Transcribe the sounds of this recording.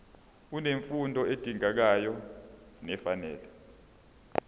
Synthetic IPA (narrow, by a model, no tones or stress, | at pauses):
uneɱfundʱɔed̥ʱʼiŋak̬ajɔnɛfanɛːlɛ